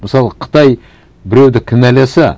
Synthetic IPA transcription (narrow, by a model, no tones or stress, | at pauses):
məsɑlˠəqʰə̥t̪ɑj | bɪɾe̞wd̪ɪkʲʰɪnælesɪ